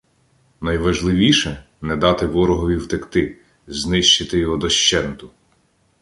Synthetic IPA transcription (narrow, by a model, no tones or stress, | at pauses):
nɐjʋɐʒlˠɪʋʲiʃɛ | nɛd̪ɑt̪ɪʋɔɾɔɦɔʋʲiwt̪ekt̪ɪ | znɪʃt͡ʃɪt̪ɪjɔɦɔd̪ɔʃt͡ʃɛnt̪ʊ